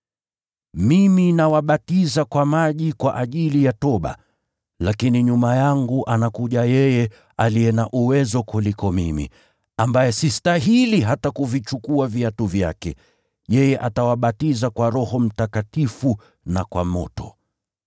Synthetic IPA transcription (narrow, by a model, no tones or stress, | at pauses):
miminawaɓatizakwamaʄikwaʔaʄilijatɔɓa̰ | lakiniɲumajaŋɡuʔanakuʄajɛjɛ | alijɛnaʔuwɛzɔkulikɔmimḭ | ambajɛsistaɦiliɦatakuvit͡ʃukuaviatuvja̰kɛ̰ | jɛjɛʔatawaɓatizakwaɾɔhɔm̩takatifu | nakwamɔ̰tɔ